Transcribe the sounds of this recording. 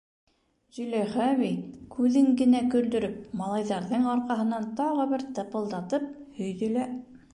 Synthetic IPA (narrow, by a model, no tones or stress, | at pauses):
zɵlæjχæβikʰʉðɘŋɡɘ̆nækɵ̆ld̪ɵ̆ɾɵp̚mɑlˠɑjðɑɾðɤɴɑɾqɑɦɤ̆nɑnt̪ɑʁɤβɘɾt̪ɤ̆pɤ̆lˠd̪ɑt̪ɤp̚hɵ̆jðɵ̆læ